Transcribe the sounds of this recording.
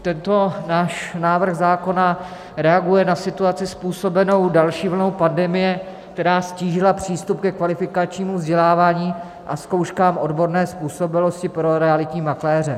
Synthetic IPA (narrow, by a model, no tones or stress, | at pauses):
t̪ɛnt̪o̞naːʃnaːvr̩xzaːko̞na | ɾɛaɡujɛnasɪt̪uat͡sɪspuːso̞bɛno̞wdalʃiːvl̩no̞wpandɛmɪjɛ | k̚t̪ɛɾaːsciːʒɪlapr̝̥iːst̪upkɛkvalɪfɪkat͡ʃɲiːmuvzɟɛlaːvaːɲiː | ʔasko̞wʃkaːmʔo̞dbo̞ɾnɛːspuːso̞bɪlo̞scɪpɾo̞ɾɛalɪt̪ɲiːmaklɛːrɛ